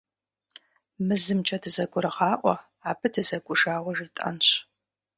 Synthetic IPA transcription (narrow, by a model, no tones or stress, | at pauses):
mɨzɨmt͡ʃʼɐdɨzɐɡʷʊɾɨʁɑːʔʷɔ̰ | aːbɨdɨzɐɡʷʼʊʒaːwɐʒitʼɐ̰nɕ